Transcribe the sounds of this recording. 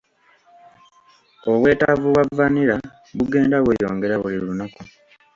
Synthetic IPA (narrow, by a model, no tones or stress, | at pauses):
o̞we̞ːtavuwavːaniɾa | βuɡe̞ːndaβwejo̞̰ːŋɡe̞ɾaβuliɾuunaku